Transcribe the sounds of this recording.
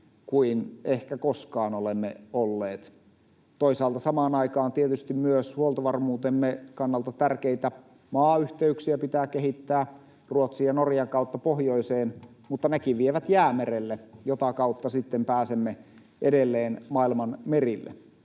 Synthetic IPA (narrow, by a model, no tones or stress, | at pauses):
kuinehkækoskɑːnolemːeolːeːt̪ | t̪oisɑːlt̪ɑsɑmɑːnɑikɑːnt̪iet̪yst̪immyøshuolt̪ɑʋɑrmuːt̪emːekɑnːɑlt̪ɑt̪ærkeit̪æ | mɑːyht̪eyksiæpit̪æːkehit̪ːæː | ruot̪siɑnorjɑŋkɑˑut̪ːɑpohjoiseːn | mut̪ːɑnekiʋʋieʋæt̪jæːmerelːejot̪ɑkɑut̪ːɑsit̪ːempæːsemːe | ʔedelːeːnmɑilmɑnmerilːḛ